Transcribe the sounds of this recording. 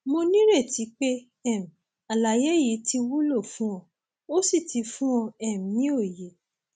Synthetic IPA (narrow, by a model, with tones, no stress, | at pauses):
mo˧nĩ˦ɾe˦˨ti˨˦k͡pe˦ | ɛ˦˨m̩̃˨ | a˨la˨je˨˦ji˨˦ti˧wu˦lo˦˨fũ˦ɔ̃˧ | o˦si˦˨ti˧fũ˦ɔ̃˧ɛ˦˨m̩˨nĩ˦o˦˨je˨